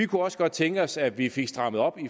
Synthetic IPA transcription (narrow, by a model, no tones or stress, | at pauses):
ikʰuɒ̽sə̥ɡ̥ɒ̽d̥̚t͡sʰeŋɡ̥əɒ̽ssæ̥ʋife̝ɡ̥sd̥ʁɑ̈məð̞̩ˠɒ̽b̥i